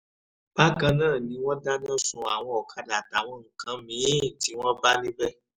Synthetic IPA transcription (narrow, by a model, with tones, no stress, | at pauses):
b̥a˦kã˧nãː˦˨nĩ˧˦w̃ɔ̃˦da˦nã˦˨sũ˧a˨w̃ɔ̃˧ɔ˨kʰa˧da˨ta˨w̃ɔ̃˧ŋ̩˨kã˨˦mĩ˨˦˨ti˨˦w̃ɔ̃˦ba˦le˦bɛ˦